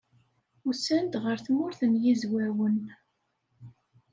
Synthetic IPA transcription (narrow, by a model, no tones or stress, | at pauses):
usænt̪ʁəɾθmʊɾθəmjizwæwən